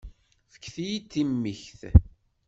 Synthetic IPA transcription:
θə̥kːθijit̪ːimːiçθ

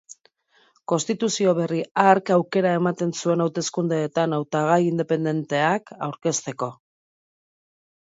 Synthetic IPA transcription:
ko̞nst̪it̪usio̞βe̞riaɾkawke̞ɾae̞mat̪e̞nsue̞nawt̪e̞skund̪e̞ːt̪anawt̪aɣ̞ajind̪e̞pe̞nd̪e̞nt̪e̞akawɾke̞st̪e̞ko̞

